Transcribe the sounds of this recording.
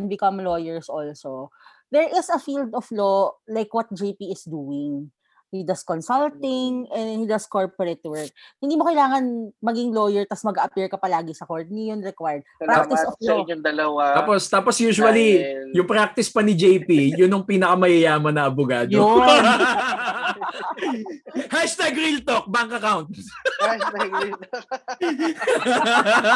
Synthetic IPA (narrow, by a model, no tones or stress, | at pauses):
ɛnbɪkɐmlojɛɹsʔolso | d̪ɛɹʔɪsɐfild̪ɔflolajkwɐt̪̚d͡ʒepiɪsd̪uːɪŋ | hid̪ɐskɔnsɐlt̪ɪŋʔɛnd̪ɛhid̪ɐskoɹpɔɾɛt̪wɛɹk̚hɪnd̪iːmokɐjlaːŋɐnmɐɡiŋlojɛɹt̪ɐsmɐɡaʔɐpiɹkɐpɐlaːɡɪsɐkoɹt̪̚nɪjʊnɹɛkwajɹd̪̚pɾakt̪ɪsofɲʊd̪ɐlɐwaaːpost̪aːposjuːʃʊɐlijʊŋpɾak̚t̪ɪspɐnɪd͡ʒɛjpijʊnoŋpiːnɐkɐmɐjɐjaːmɐnɐɐbʊɡaːd̪o | haʃt̪aɡɾilt̪ok̚baŋkɐkawnt̪s | ɡ̪